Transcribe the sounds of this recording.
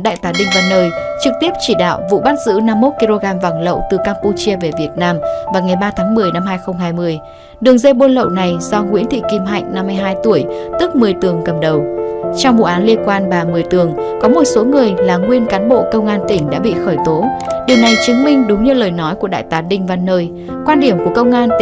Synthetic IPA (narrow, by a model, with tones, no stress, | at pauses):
ɗa̰ː˧˨jt̪aː˨˦ɗï˧ŋ̟vaː˨˩nəː˧jt͡ɕɨ˨˩k̚t̪i˦˥əp̚t͡ɕi˧˩ɗa̰ː˧˨wvṵ˧˨ɓaː˦˥t̚zɨ̰˧˥na˧mːo˦˥t̚ki˧lo˧ɣaː˧mva̰˨˧˩ŋlə̰˧˨wt̪ɨ˨˩kaː˧mpu˧t͡ɕi˧əve˨˩vi˨˩ət̚naː˧mvaː˨˩wŋa˨˩jɓaː˧t̪ʰaː˨˦ŋmɨ˨˩əjna˧mɦaː˧jxə˧wŋ͡mɦaː˧jmɨ˧əj | ɗɨ˨˩əŋzə˧jɓo˧nlə̰˧˨wna˨˩jzɔ˧ŋwḭ˧˥ənt̪ʰḭ˧˨ki˨˧˩mɦa̰˧˨jŋ̟na˧mːɨ˧əjɦaː˧jt̪u˧˩əjt̪ɨ˦˥k̚mɨ˨˩əjt̪ɨ˨˩əŋkə˨˩m̚ɗə˨˩wt͡ɕɔ˧wŋ͡mvṵ˧˨ʔaː˨˦nli˧ənkwaː˧nɓaː˨˩mɨ˨˩əjt̪ɨ˨˩əŋ | kɔ˨˦mo˨˩t̚so˨˦ŋɨ˨˩əjlaː˨˩ŋwi˧ənkaː˨˦nɓo̰˧˨kə˧wŋ͡mʔaː˧nt̪ï˧˩ŋ̟ɗa̰ː˧˥ɓḭ˧˨xəː˧˩jt̪o˨˦ɗi˨˩əwna˨˩jt͡ɕɨ˨˦ŋmï˧ŋ̟ɗʊ˨˦ŋ͡mɲɨ˧ləː˨˩jnɔ˨˦jku˧˩əɗa̰ː˧˨jt̪aː˨˦ɗï˧ŋ̟va˧nːəː˧j | kwaː˧nɗi˧˩əmku˧˩əkə˧wŋ͡mʔaː˧n